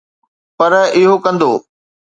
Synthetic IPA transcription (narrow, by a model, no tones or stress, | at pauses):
pɐɾɪɦokɐ̃nd̪oː